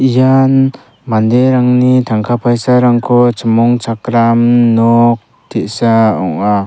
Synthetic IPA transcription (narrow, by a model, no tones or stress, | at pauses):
ijan | mand̪eɾaŋnitʰaŋkʰapʰajsaɾaŋkʰɔt͡ʃɯmɔŋt͡ʃakɾamnɔk̚ | tʰeʔsaɔŋa